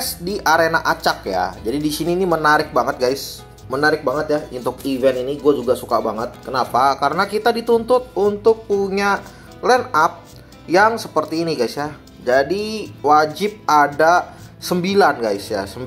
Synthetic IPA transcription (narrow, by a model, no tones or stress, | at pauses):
sdiʔaɾenaʔat͡ʃak̚ja̰d͡ʒadidisiniːnimənaɾɪk̚baŋət̪̚ɡajs | mənaɾɪk̚baŋət̪jaunt̪ʊkivɛniniɡuad͡ʒuɡasukabaŋət̪̚kənapakaɾənakit̪adit̪unt̪ʊt̪̚unt̪ʊk̚puɲa | lɛnap̚ | jaŋsəpərt̪iːniɡajsja | d͡ʒadiwad͡ʒɪp̚adasəmbilanɡajsja̰səm